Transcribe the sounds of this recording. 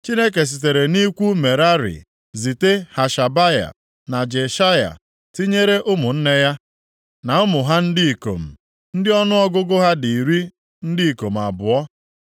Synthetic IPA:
t͡ʃi˦ne˦k̬e˨s̬i˨t̬e˨ɾe˨ni˦kʷu˦me˨ɾa˦ɾḭ˨ | zi˨te˦ha˨ʃa˨ba˦ja̰˨ | na˨d͡ʒe˨ʃa˦ja̰˨ | ti˦ɲe˦ɾe˦ʔʊ˦mʊ˨n̩˦ne˦ja˦ | na˨ʊ˦mʊ˨ɦa˦n̩˦di˦i˨ko̰˨m̩˨ | n̩˦dɪ˦ɔ˦nʊ˦ɔ˦ɡʊ˦ɡʊ˦ɦa˦di˨ɾi˦ | n̩˦di˦i˨ko˨m̩˨a˨bʊ˨ɔ˦

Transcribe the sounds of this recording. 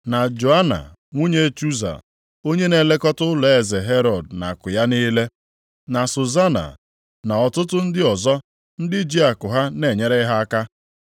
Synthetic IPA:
na˨d͡ʒo˨a˦na̰˨ | ŋʷu˦ɲe˦t͡ʃu˦za̰˨ | o˦ɲe˦ne˨le˦kɔ˦tʊ˦le˨e˨ze˨ɦe˦ɾɔ˨d̚na̰˨kʊ˨ja˦ni˦le˦ | na˨so˨za˦na̰˨ | na˨ɔ˨tʊ˦tʊ˦n̩˦dɪ˦ɔ˨zɔ˦ | n̩˦dɪ˦d͡ʒi˦a˨kʊ˨ɦa˦ne˨ɲe˦ɾe˦ɦa˦a˦ka˦

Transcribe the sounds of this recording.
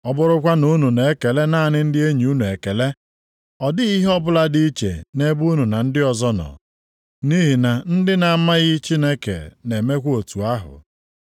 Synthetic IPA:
ɔ˦bʊ˦ɾʊ˦kʷa˦no˦nu˨ne˨e˦ke˨le˦naː˦˨nɪ˦n̩˦dɪ˦e˦ɲi˨u˦nu˨e˨ke˨le˦ | ɔ˨dɪ˦i˦ɦɔ˦bʊ˦la˦di˦t͡ʃḛ˨ne˦bu˦nu˨na˨n̩˦dɪ˦ɔ˨zɔ˦nɔ̰˨ | ni˦ɦi˨na˨n̩˦dɪ˦na˨˦ma˦ɣɪ˦t͡ʃi˦ne˦kḛ˨ne˨me˦kʷo˨tu˨a˦ɦʊ̰˨

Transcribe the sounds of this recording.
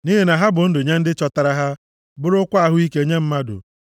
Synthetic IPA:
ni˦ɦe˨na˨ɦa˦bʊ˨n̩˦dʊ˨ɲe˦n̩˦dɪ˦t͡ʃɔ˦ta˨ɾa˦ɦa˦ | bʊ˦ɾʊ˦kʷa˦a˨ɦʊ˦i˦ke˦e˦ɲe˦m̩˦ma˦dʊ̰˨

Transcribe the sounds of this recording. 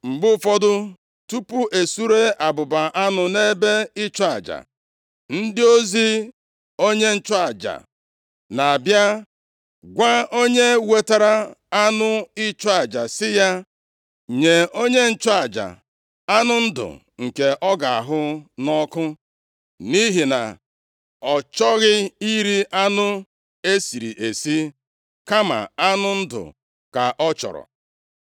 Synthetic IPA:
ŋ͡m̩˨ɡ͡bʊ˦fɔ˦dʊ˦ | tu˦pu˦ʔe˨su˦ɾe˦ʔa˨bʊ˨ba˨ʔa˦nʊ˨ne˦be˦ɪ˦t͡ʃɔ˦a˨d͡ʒa̰˨ | n̩˦dɪ˦o˦zi˦ | o˦ɲe˦n̩˦t͡ʃɔ˦a˨d͡ʒa̰˨ | na˨a˨bja˦ | ɡʷa˦o˦ɲe˦we˨ta˨ɾa˦a˦nʊ˦ɪ˦t͡ʃɔ˦a˨d͡ʒa˨sɪ˦ja˦ | ɲe˨o˦ɲe˦n̩˦t͡ʃɔ˦a˨d͡ʒa̰˨ | a˦nʊ˦n̩˦dʊ̰˨ | ŋ̩˨ke˨ʔɔ˦ɡa˨a˨ɦʊ˦nɔ˦kʊ˦ | ni˦ɦi˨na̰˨ | ɔ˨t͡ʃɔ˦ɣɪ˦i˦ɾi˦ʔa˦nʊ˦ | e˦si˨ɾḭ˨ʔe˨si˦ | ka˦ma̰˨a˦nʊ˦n̩˦dʊ̰˨ | ka˨ʔɔ˦t͡ʃɔ̰˨ɾɔ̰˨

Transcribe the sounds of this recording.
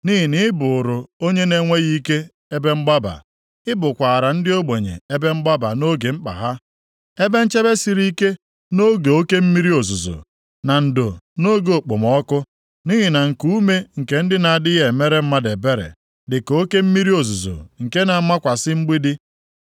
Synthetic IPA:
ni˦ɦi˨nɪ˦bʊ˨ʊ˨ɾʊ˨o˦ɲe˦ne˦ŋʷe˦ɣi˦ke˦ | e˦be˦ŋ͡m̩˦ɡ͡ba˦ba̰˨ | ɪ˦bʊ˨kʷa˨ɾa˨n̩˦dɪ˦o˦ɡ͡be˨ɲḛ˨e˦be˦ŋ͡m̩˦ɡ͡ba˦ba˨no˦ɡe˨ŋ͡m̩˦k͡pa̰˨ɦa˦ | e˦be˦n̩˦t͡ʃe˦be˦si˦ɾi˦ke˦ | no˦ɡe˨o˦ke˦m̩˦mi˦ɾi˦o˨zu˨zo̰˨ | na˨n̩˨do˨no˦ɡo˨k͡po˨mɔ˦kʊ˦ | ni˦ɦi˨na˨ŋ̩˨ku˦me˦ŋ̩˨ke˨n̩˦dɪ˦na˨a˨dɪ˦ɣe˨me˦ɾe˦m̩˦ma˦de˨be˦ɾḛ˨ | dɪ˨ko˦ke˦m̩˦mi˦ɾi˦o˨zu˨zo̰˨ŋ̩˨ke˦na˨˦ma˦kʷa˨sɪ˦ŋ͡m̩˦ɡ͡bi˦dɪ˦

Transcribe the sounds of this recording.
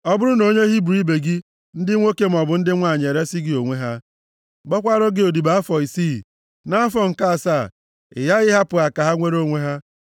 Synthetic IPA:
ɔ˦bʊ˦ɾʊ˦no˨ɲe˦ɦi˦bɾi˦be˨ɡi˦ | n̩˦dɪ˦ŋʷo˦ke˦m̩˦ɔ˨bʊ˨n̩˦dɪ˦ŋʷa˦˨ɲ˨e˨ɾe˦si˦ɡɪ˦o˨ŋʷe˦ɦa˦ | ɡ͡bɔ˦kʷa˦ɾɔ˦ɡɪ˦o˨di˨ba˦a˦fɔ˨i˨si˦˨ | na˦a˦fɔ˦ŋ̩˨ka˦a˨sa˦˨ | ɪ̰˨ja˦ɣɪ˦ɦa˦pʊ˨ɣa˨ka˨ɦa˦ŋʷe˦ɾo˦˨ŋʷe˦ɦa˦

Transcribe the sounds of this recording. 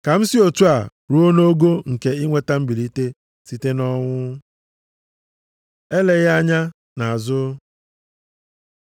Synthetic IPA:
ka˨m̩˦si˦o˨tu˦a˨ | ɾu˦o˦no˦ɡo˦ŋ̩˨ke˨i˦ŋʷe˦ta˦m̩˦bi˨li˦te˦ | si˨te˦nɔ˦ŋʷʊ˦ | e˦le˨ɣa˦ɲa˦ | na˨a˨zʊ˦

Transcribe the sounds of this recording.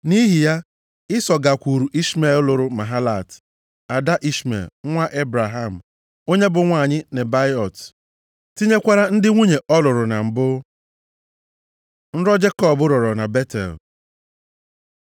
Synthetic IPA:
ni˦ɦi˨ja˦ | ɪ˦sɔ˨ɡa˨kʷu˨ɾu˨ʔi˦sme˨llʊ˨ɾʊ˦ma˨ɦa˦la˨t | a˨da˦ʔi˦smḛ˨lŋʷa˦ʔe˦bɾa˨ɦa˦˨m̩˨ | o˦ɲe˦bʊ˨ŋʷa˨ɲɪ˦ne˨ba˦ɪ˦ɔ˨t | ti˦ɲe˦kʷa˦ɾa˦n̩˦dɪ˦ŋʷu˦ɲe˨ɔ˦lʊ˨ɾʊ˨na˨m̩˨bʊ˦ | n̩˦ɾɔ˦d͡ʒe˦kɔ˦bʊ˦ɾɔ˨ɾɔ˨na˨be˦tɛ̰˨l

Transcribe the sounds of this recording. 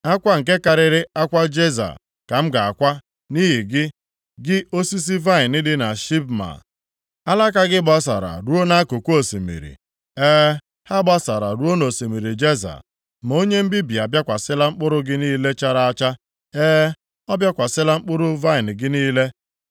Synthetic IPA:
a˦kʷa˦ŋ̩˨ke˦ka˨ɾɪ˦ɾɪ˦a˦kʷa˦d͡ʒe˦za̰˨ | ka˨m̩˦ɡa˨a˨kʷa˦ | ni˦ɦi˨ɡɪ˦ | ɡɪ˦o˦si˦s̬i˦va˦ɪ˨nɪ˦dɪ˦na˨ʃi˦p̚ma̰˨ | a˦la˦ka˦ɡɪ˦bɔ˦s̬a̰˨ɾa̰˨ɾu˦o˦na˦ko˨kʷo˦˨si˨mḭ˨ɾḭ˨ | eː˦ | ha˦bɔ˦sa˨ɾa̰˨ɾu˦o˦no˨si˨mi˨ɾi˨d͡ʒe˦za̰˨ | m˨o˦ɲe˦m̩˦bi˦bi˨a˨bja˦kʷa˨sɪ˦la˦ŋ͡m̩˦k͡pʊ˦ɾʊ˦ɡɪ˦niː˦le˦t͡ʃa˦ɾa˦a˦t͡ʃa˦ | eː˦ | ɔ˦bja˦kʷa˨sɪ˦la˦ŋ͡m̩˦k͡pʊ˦ɾʊ˦va˦ɪ˨n̩˨ɡɪ˦niː˦le˦

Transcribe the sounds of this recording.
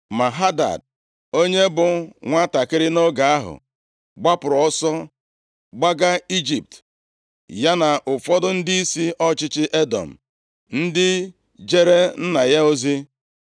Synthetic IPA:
ma˨ɦa˦da̰˨d̚ | o˦ɲe˦bʊ˨ŋʷa˦ta˨kɪ˦ɾɪ˦no˦ɡa˨a˦ɦʊ̰˨ | ɡ͡ba˦pʊ˨ɾɔ˦sɔ˦ | ɡ͡ba˦ɡa˦i˦d͡ʒi˨p̚t | ja˦na˨ʔʊ˨fɔ˦dʊ˦n̩˦dɪ˦i˦si˦ɔ˦t͡ʃɪ˦t͡ʃɪ˦ʔe˦dɔ̰˨m̩˨ | n̩˦dɪ˦ | d͡ʒe˦ɾe˦n̩˦na˨ja˦o˦zi˦

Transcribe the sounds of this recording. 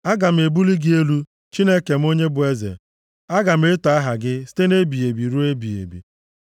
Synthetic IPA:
a˦ɡa˨m̩˨e˨bu˦li˦ɡɪ˦e˦lu˦ | t͡ʃi˦ne˦ke˨m̩˦o˦ɲe˦bʊ˨e˦zḛ˨ | a˦ɡa˨m̩˦e˦ta˨a˦ɦa˨ɡɪ˦si̥˦te˦ne˦bi˨e˨bi˨ɾu˦e˦bi˨ḛ˨bḭ˨

